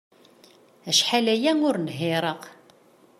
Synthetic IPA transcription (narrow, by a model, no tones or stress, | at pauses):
æʃħalæjæŋʊɾnɦɪɾˤəq